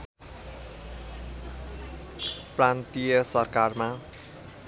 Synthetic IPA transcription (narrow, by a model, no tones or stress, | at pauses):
prant̪ijʌsʌrkarma